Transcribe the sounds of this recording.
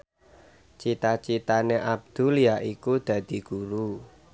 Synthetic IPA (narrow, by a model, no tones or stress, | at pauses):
t͡ʃit̪at͡ʃit̪aneʔab̚d̪̥ṳliaʔikud̪̥ä̤d̪̥i̤ɡ̥uɾu